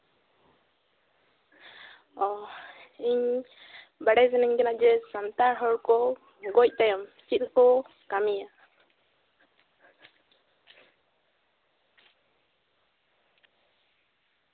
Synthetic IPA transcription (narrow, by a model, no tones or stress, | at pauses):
ɔ | iɲ | baɽɛzɛnɛŋd͡ʒɛnad͡ʒɛsant̪aɾɦɔɽkɔ | ɡɔc̚ˀt̪ajɔmt͡ʃit̪̚kɔ | kamija